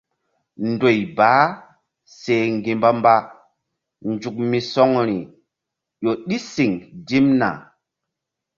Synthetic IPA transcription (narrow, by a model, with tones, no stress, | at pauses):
ndo˨jbaː˨˦ | se˨ŋɡi˨mba˦mba˦ | nd͡ʒu˨k̚mi˨sɔ˦ŋɾi˨ | jo˨ɗi˦si˨ŋdi˦mna̰˨